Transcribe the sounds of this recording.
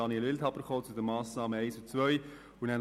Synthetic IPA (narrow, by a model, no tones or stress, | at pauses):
ɑniɛlɪlt̪hɑpəɾkoːt͡sud̪əmɑːsnɑːməɛɪsut͡svœʏ | unæn